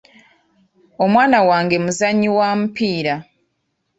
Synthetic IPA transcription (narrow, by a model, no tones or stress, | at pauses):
o̞mwaːnawaːŋɡe̞muzaɲːiwaːmupiːɾa